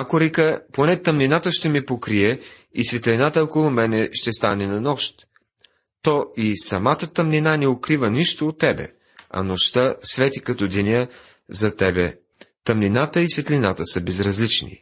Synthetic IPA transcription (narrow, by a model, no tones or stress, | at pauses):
akoɾikəponɛt̪ɐmninat̪əʃt̪ɛmipokɾiɛ | isvɛt̪linat̪əɔkolˠʊmɛnɛʃt̪ɛst̪a̰nɛnɐnɔʃt̪ | t̪ɔisɐmat̪ət̪ɐmninanɛokɾivəniʃt̪oot̪ːɛbɛ̰ | ɐ̰noʃt̪əsvɛt̪ikɐt̪ɔd̪ɛnʲə | zɐt̪ɛbɛ̰ | t̪ɐmninat̪əisvɛt̪linat̪əsəbɛzɾɐzlit͡ʃnḭ